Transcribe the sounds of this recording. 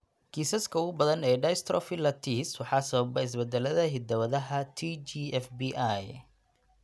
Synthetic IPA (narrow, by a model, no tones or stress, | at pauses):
ɡ̥ʰiːsɐskʰɐʊɣʊbɐðɐnɛːɖɐjst̪ʰɾɔ̰filɐt̪ʰiswɑħɑːsɐβɐbɐɪs̬bɛd̪ɛlɐðɐɦɪd̪ɐwɐðɐɦɐt̪ʰit͡ʃiɛfbiʔaj